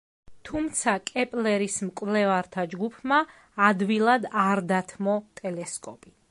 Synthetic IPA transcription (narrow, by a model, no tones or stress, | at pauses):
t̪ʰumt̪sʰakʼɛpʼlɛɾismkʼvlɛvaɾt̪ʰad͡ʒɡupʰmaː | d̪vilˠad̪aɾd̪at̪ʰmɔt̪ʼɛlɛskʼɔpʼi̥